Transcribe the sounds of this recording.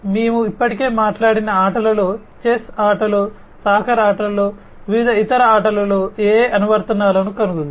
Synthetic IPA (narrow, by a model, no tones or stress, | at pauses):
meːmuipːɐʈike̞ːmaːʈlaːɽinɐaːʈɐlɐlo̞ː | t͡ʃesaːʈɐloː | saːkʰɐɾaːʈɐlɐloː | ʋiʋid̪ʱɐit̪ɐɾɐaːʈɐlɐlo̞ːeːɐnuʋɐɾt̪ɐnːaːlɐnukɐnuɡund̪i